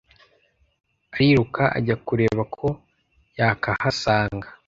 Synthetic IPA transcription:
aɾiɾukaʔa̰ɟakuɾe̞ːβakʰo̞ | jakahasaːŋɡa

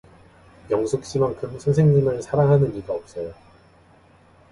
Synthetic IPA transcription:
jʌŋsʰok̚ɕ͈imaŋkʰɯmsʰʌnsʰe̞ŋɲimɯɭsʰaɾaŋɦanɯniɡaʌp̚s͈ʌjo

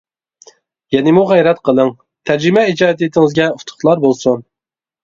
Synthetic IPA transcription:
jɛnɪmuʁæjɾɛt̪qʰəlˠəŋ | t̪ʰæɾd͡ʒimɛid͡ʒɑːd̪it̪ʰɪŋɨzɡʲɛut̪ʰʊ̥χlˠɑɾbolˠsun

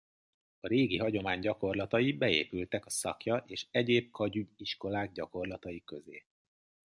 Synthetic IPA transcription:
ɒɾeːɡiɦɒɟo̞maːɲɟɒko̞rlɒt̪ɒjibɛḛːpylt̪ɛkɒsɒ̰kjɒʔeːʃɛɟeːb̚kʰɒɟyɟiʃko̞laːɡ̚ɟɒko̞rlɒt̪ɒjikø̞zḛː

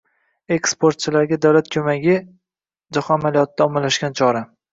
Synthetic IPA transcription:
e̞kspoɾt̪̚t͡ʃʰɪlaɾɡʲad̪awlat̪̚kʲʰɵmaɡʲɪ | d͡ʒaχɒamalijɒt̪̚d̪aɒmalːaʃɡʲant͡ʃʰɒɾa

